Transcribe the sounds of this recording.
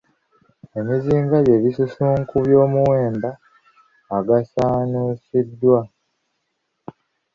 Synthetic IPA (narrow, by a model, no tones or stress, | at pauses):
e̞miziːŋɡaje̞βisusuːŋkuβjo̞ːmuwe̞ːmbaː | ɡasaːnuːsidːwa